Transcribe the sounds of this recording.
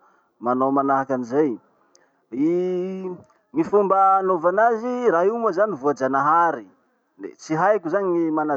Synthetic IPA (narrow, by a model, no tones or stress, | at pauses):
manomanaɦakanizaj | i | ŋifumbəːnovanaziraɦuməzanivuad͡ʒanaɦaɾi | ḛt͡siɦajkʲuzaniŋimana